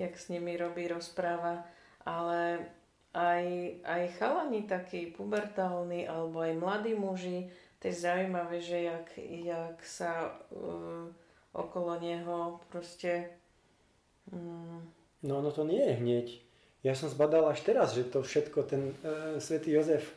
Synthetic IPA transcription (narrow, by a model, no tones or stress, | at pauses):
jaksɲimiɾɔbiːɾɔspɾaːʋaʔalɛ | ʔajajxalaɲit̪akiːpubɛɾt̪aːlniʔalɛbɔajmlad̪iːmuʒit̪ɛjɛzaujmaʋɛʒɛakjaksa | ʔɔ̰kɔlɔɲɛɦɔpɾɔscɛ | nɔɔnɔt̪ɔɲɪɛjɛɦɲɪɛc | jasɔmzbad̪alaʃt̪ɛɾazʒɛt̪ɔfʃɛt̪kɔt̪ɛnsʋɛt̪iːjɔzɛf